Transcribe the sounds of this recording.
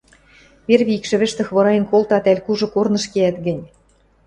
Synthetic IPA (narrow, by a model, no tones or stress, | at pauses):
βerβʲiikʃɘ̆βɘ̆ʃt̪ɘ̆xβɤ̆ɾɑjɤ̆nkolt̪ɑt̪ælʲkuʒɤ̆kornɤ̆ʃkeæt̪ɡɘ̆nʲ